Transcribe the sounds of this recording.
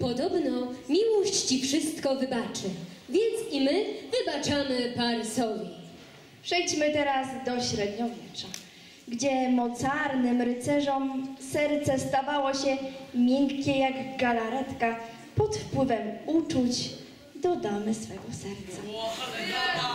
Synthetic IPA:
pɔd̪ɔbnɔmʲiwɔɕt͡ɕt͡ɕifʂɘst̪kɔvɘbat͡ʂɘvʲjɛnt̪simɘvɘbat͡ʂamɘpaɾsɔvʲi | pʂɛjt͡ɕmɘt̪ɛɾazd̪ɔɕɾɛd̪ɲɔvʲjɛt͡ʂa | ɡd͡ʑɛmɔt̪saɾnɘmɾɘt̪sɛʐɔmsɛɾt̪sɛst̪avawɔɕɛmʲjɛŋkʲːɛjaɡɡalaɾɛt̪ka | pɔt̪fpwɘvɛmut͡ʂut͡ɕ | d̪ɔd̪amɘsfɛɡɔsɛɾt̪sa

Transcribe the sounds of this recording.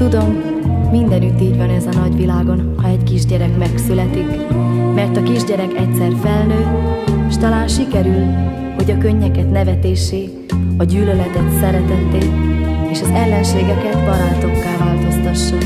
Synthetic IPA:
t̪ud̪o̞m | mind̪ɛnyt̪ːiːɟvɒnɛzɒnɒɟʋilaːɡo̞nhɒɛckiʒɟɛɾɛkmɛksylɛt̪ik | mɛrt̪ɒkiʒɟɛɾɛkɛc̚sɛrfɛlnøːeʃt̪ɒlaːnʃikɛɾyl | ho̞ɟɒkøɲːɛkɛt̪nɛvɛt̪eːʃeː | ɒɟyːlølɛt̪ɛt̪sɛɾɛt̪ɛt̪ːeːeːʃɒzɛlːɛnʃeːɡɛkɛt̪bɒɾɒnt̪o̞kːaːvaːlt̪o̞st̪ɒʃːu

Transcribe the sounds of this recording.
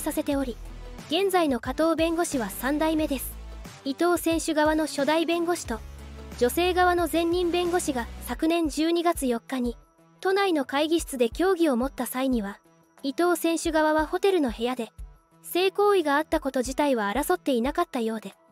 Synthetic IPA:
sase̞t̪e̞o̞ɾʲi | ɡ̥ẽ̞nd͡zaino̞kat̪o̞ːbẽ̞ŋɡo̞ɕiβasãnd̪aime̞d̪e̞sɨ̥ | it̪o̞ːsẽ̞ɰ̃ɕɨɡaβano̞ɕo̞d̪aibẽ̞ŋɡo̞ɕi̥t̪o̞d͡ʑo̞se̞ːɡaβano̞zẽ̞ɲːĩmbẽ̞ŋɡo̞ɕiɡasakɯ̟nẽ̞ɲ̟d͡ʑɨːɲ̟iɡat͡sɨjo̞kːaɲ̟i | t̪o̞naino̞kaiɡʲiɕi̥t͡sɨd̪e̞kʲo̞ːɡʲio̞mo̞t̪ːasaiɲ̟iβa | it̪o̞ːsẽ̞ɰ̃ɕɨɡaβaβ̞aho̞t̪e̞ɾɯ̟no̞he̞jad̪e̞ | se̞ːko̞ːiɡaːt̪ːako̞t̪o̞ʑit̪aiβaːɾaso̞t̪ːe̞inakat̪ːajo̞ːd̪e̞

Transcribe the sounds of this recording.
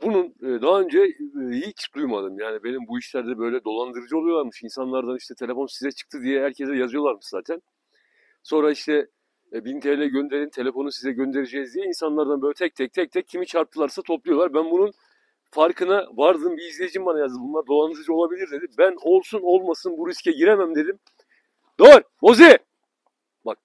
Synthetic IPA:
bununːd̪aɦaø̞nd͡ʒɛijit͡ʃd̪ujmad̪ɯmjaːnibe̞nimbuiʃlʲæɾd̪ɛbø̞jlʲɛd̪o̞lˠand̪ɯɾɯd͡ʒɯo̞lˠujo̞lˠaɾmɯʃinsanlˠaɾd̪aniʃt̪ʰɛt̪ʰe̞lʲe̞fo̞nsizɛt͡ʃʰɯ̥k̚t̪ʰɯd̪ijɛɦæɾcʰɛsɛjazɯjo̞lˠaɾmɯʃzaːt̪ʰæn | so̞nɾaiʃt̪ʰɛ | bint̪ʰeɾlʲɛɟø̞nd̪e̞ɾʲint̪ʰe̞lʲe̞fo̞nusizɛɟø̞nd̪eɾed͡ʒɛizd̪ijɛinsanlˠaɾd̪anbøjlʲɛt̪ʰɛc̚t̪ʰɛc̚t̪ʰɛc̚t̪ʰɛcʰːimit͡ʃʰaɾp̚t̪ʰɯlˠaɾsat̪ʰo̞plˠujo̞lˠaɾbænbunun | faɾkʰɯnavaɾd̪ɯmbiːzlʲejid͡ʒimbanajazd̪ɯmbunlˠaɾd̪o̞lˠand̪ɯɾɯd͡ʒɯo̞lˠabilʲiɾd̪e̞d̪imbæno̞lˠsuno̞lˠmasɯnbuɾiscʰɛɟiɾemæmd̪e̞d̪im | d̪̥øɾbo̞zi | bak̚

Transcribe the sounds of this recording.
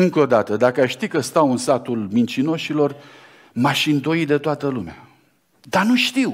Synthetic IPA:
ɨŋko̞d̪at̪əd̪akəaʃt̪ikəst̪awɨnsat̪ulmint͡ʃino̞ʃilo̞r | maʃind̪o̞id̪e̞t̪oat̪əlumea | d̪anuʃt̪iw

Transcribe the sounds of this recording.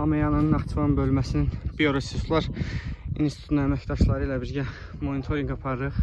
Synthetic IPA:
ɑmejɑnɑnɯnæxt̪ʰvɑnbølmæsininbioɾosist̪ʰlˠɑɾinsit̪ʰuunnæmæcd̪ɑʃlˠɑɾɯilæbiɾɟæ | mo̞nit̪ʰo̞ɾiŋɡɑpʰɑɾɾɯχ

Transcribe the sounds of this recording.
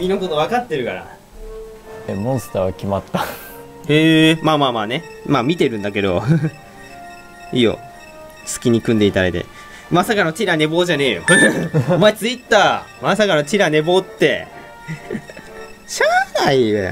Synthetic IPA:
mʲinoko̞t̪oβakat̪ːe̞ɾɯ̟kaɾa̰ | emõst̪aːβakʲimat̪ːa | eːmaːmaːmaːne̞maːmʲit̪e̞ɾɯ̟̃nd̪ak̬e̞d̪o̞ | iːjo̰ | sɨ̥kʲiɲ̟ikɯ̟̃nd̪e̞it̪aɾa̰d̪ḛ | masakano̞t͡ɕiɾane̞bo̞ːʑane̞ːjo̰omaet͡sɨit̪ːaː | masakano̞t͡ɕiɾane̞bo̞ːt̪ːe̞ | ɕanaioja̰

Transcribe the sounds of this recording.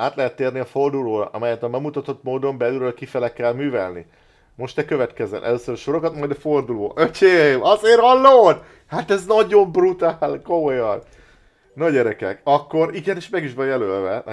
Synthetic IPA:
aːt̪lɛɦɛt̪ːeːrniɒfo̞rd̪uloːɾɒ̰ʔɒmɛjɛt̪ɒmɛɡmut̪ɒt̪o̞t̪moːd̪o̞mbɛlylølkifɛlɛkɛlmyːvɛlnḭ | mo̞ʃt̪ɛkøvɛt̪kɛzɛ̰nʔɛ̰løːsøɾɒʃo̞ɾo̞kɒt̪mɒjd̪ɒfo̞rd̪uloːʔøcʰeːmɒzeːɾɒlːoːn | hat̪ɛznɒɟo̞mbrut̪aːlkomojɒn | noɟɛɾɛkɛkɒkːo̞ɾiɡɛneːʃmɛɡiʃvɒjɛlølvɛ

